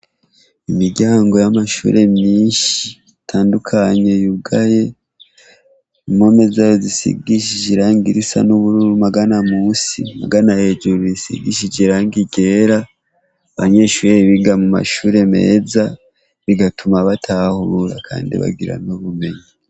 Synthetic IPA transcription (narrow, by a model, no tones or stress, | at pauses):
imiɾɟaːŋɡo̞jamaʃṵːɾe̞mɲiːnʃi | tʰaːndukʰaɲe̞juɡaje̞ | imo̞me̞zajozisḭɡiʃ̬id͡ʒiɾaːŋɡiɾisa̰nuβuɾuɾumaɡanamuːsḭma̰ɡanahed͡ʒuɾiisḭɡḭʃid͡ʒeɾaːŋɡiɡe̞ɾa | βaɲe̞ːʃuːɾeiβiɡamuma̰ʃuɾe̞me̞̰ːza | βiɡatumaβatʰahuɾa̰kʰa̰ːndḭβa̰ɡiɾa̰noβume̞ɲi